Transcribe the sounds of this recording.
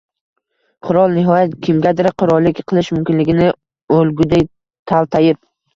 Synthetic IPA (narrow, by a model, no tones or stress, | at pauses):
qʰʊɾɒlˠnɪɦɒjat̪kʲʰɪmɡʲad̪ɪɾqʰʊɾɒlˠːɪkʲqʰɨlˠɪʃmʊmkʲɪnlɪɡʲɪnɪ | olɡʲʊd̪ej | t̪ʰalˠt̪ʰajɪp̚